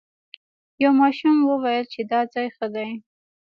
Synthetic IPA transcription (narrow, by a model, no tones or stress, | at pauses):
jawmɑʃumwəwajəlt͡ʃed̪ɑd͡zɑjxəd̪aj